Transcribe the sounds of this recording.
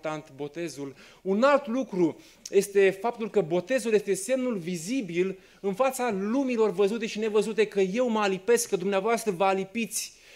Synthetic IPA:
t̪ant̪bo̞t̪e̞zul | unalt̪lukɾu | je̞st̪e̞fap̚t̪ulkəbo̞t̪e̞zuljest̪e̞se̞mnulvizibil | ɨnfat̪salumilo̞rvəzut̪e̞ʃine̞vəzut̪e̞kəje̞wməalipe̞skkːəd̪umneavoast̪ɾəvəalipit̪sʲ

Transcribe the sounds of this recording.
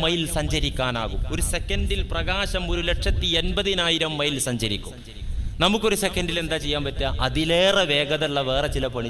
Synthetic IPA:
mɐjilsɐɲd͡ʑɐɾikʲːaːna̰ːɣumo̞ɾuse̞kːɐnɖilprɐɣaːɕɐmo̞ɾule̞ʈʂɐt̪ːienbɐðinaːjiɾɐmːɐjilsɐɲd͡ʑɐɾḭkʲːṵm | nɐmukːo̞ɾusekːɐɳɖile̞nd̪aːt͡ɕe̞jːaːmpɐtːaːʔɐðileːreʋe̞ːɡɐðɐɭːɐʋe̞ːrɐt͡ɕilɐpɐɳi

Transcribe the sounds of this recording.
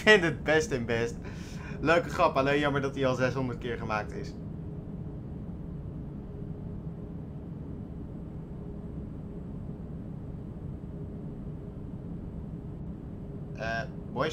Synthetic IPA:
fɪntəd̚bɛstɪnbɛst | løɥkəχrɑpɑleːnjɑməɹdɑtiɑlˠzɛsɦɔndəɹt̚kɪːɹχəmaːk̚tɪ̰s | ʔə | bɔ

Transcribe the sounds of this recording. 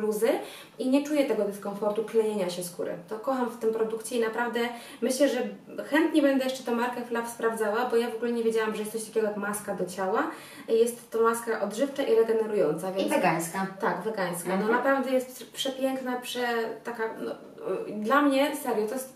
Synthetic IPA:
luzɘ | iɲɛt͡ʂujɛt̪ɛɡɔd̪ɛskɔɱfɔɾt̪uklɛɲeɲaɕɛskṵɾɘ̰t̪ɔkɔxamft̪ɘmpɾɔd̪ukt͡ɕɛinapɾavd̪ɛ | mɘɕlɛʐɛ | xɛnt̪ɲɛbɛnd̪ɛjɛʂt͡ʂɛ̥t̪ɔ̃w̃maɾkɛflafspɾavd̪zawabɔjavɔɡulɛɲɛvʲjed͡ʑawamʐɛjɛst̪sɔɕt̪ḁkʲɛɡɔjakmaskad̪ɔt͡ɕawa | jɛst̪ːɔmaskɛʔɔd̪ʐɘft͡ʂaʔiɾɛɡɛnɛɾujɔnt̪savʲjɛnvɛɡaɲskat̪aɡvɛɡaɲ̃skanɔnapɾavd̪ɛjɛst̪pʂɛpʲjɛŋknapʂɛt̪akanɔ | d̪lamɲɛsɛɾjɔt̪ɔjɛst̪

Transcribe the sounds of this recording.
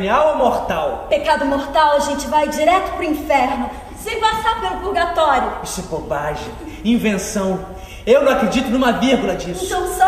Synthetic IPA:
ɲawlɐmoɾt̪awpekad̪ʊmoɾt̪awɐʒẽnt͡ʃɪvajd͡ʒiɾɛt̪ʊ̥pɾʊĩfɛɾnʊ | sẽvasapelpulɡat̪ɔɾjʊisɛkobaʒĩ | ĩvẽsɐ̃w̃ | ewnɐ̃w̃akɾed͡ʒit̪ʊnũmɐviɾɡulɐd͡ʒist̪ɐ̃w̃sɔ

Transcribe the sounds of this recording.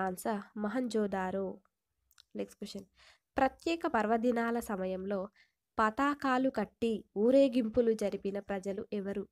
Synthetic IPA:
aːnsɐmɐɦɐɲd͡ʒɔːd̪aːɾoː | lekskuʃɐn | pɾɐt̪jɛːkɐpɐɾʋɐd̪inaːlɐsɐmɐjɐmlo̞ː | pɐt̪aːkaːlukɐʈːiuːɾe̞ːɡimpulud͡ʒɐɾipinɐpɾɐd͡ʒɐluʔɛʋɐɾu

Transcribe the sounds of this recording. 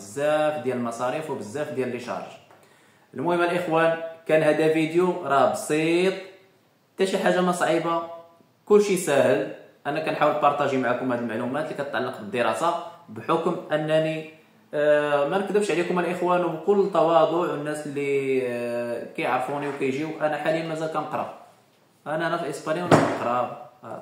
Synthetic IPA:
əzːæfd̪jæləlmɑsˤɑɾifwbəzːæfd̪jæləlːiʃɑ̰ɾˤʒ | ʔəlmʊhəmːælʔəxwænkænhæd̪ævid̪juɾˤɑbsˤit̪ˤ | t̪æʃiħaʒːaməsˤʕiba | kʊlːʃisæhəlʔænːækænħawəlt̪ɑɾˤt̪æʒimaʕakʊmhæd̪əlmaʕlumæt̪likæt̪ət̪ʕalːɑqbəd̪ːəɾɑsabħʊkmʔənːæni | mænəkd̪əbʃʕlikʊmælʔəxwænwbkʊlːət̪ːɑwɑd̪ˤʊʕwənːæslːi | kæjəʕɾˤfuniwkæjʒiwuʔænæħalijənmæzælkænəqɾˤɑ̰ | ʔænæʔænæfiʔəspɑnjiwnæʔəqɾˤɑb

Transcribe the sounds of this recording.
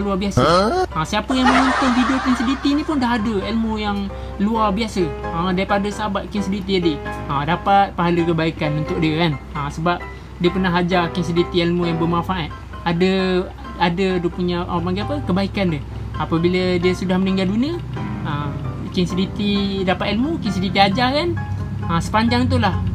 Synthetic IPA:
luabiasəəsiapəjaŋməŋɔnt̪ʊnfidokinsidit̪inipʊndaɦadəelmujaŋ | luarbiasəədaɾipadasəɦabat̪̚kinsədit̪̬iadiədapat̪̚paɦaləkəbaikanənt̪ʊk̚diəkanəsəbap̚ | diəpərnaɦad͡ʒakins̬idit̪ielmujaŋbərmaŋfaʔat̪̚ | adə | adədiəpuɲaʔəpaŋɡiapəkəbaikandə | apəbilədiəsudahməniŋɡalduniəə | kinsədit̪idapat̪̚ilmukinsədit̪iad͡ʒakan | əsə̥paɲd͡ʒaŋt̪ulah

